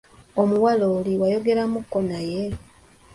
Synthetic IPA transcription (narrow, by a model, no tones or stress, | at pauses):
omuwaloːliwajo̞ɡe̞ɾamukːonaje̞